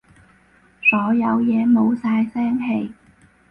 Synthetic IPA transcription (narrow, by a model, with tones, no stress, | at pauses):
sɔː˨˥jɐ˨˧wjɛː˨˧mo˨˧wsaː˧jsɛː˥ŋɦe˧j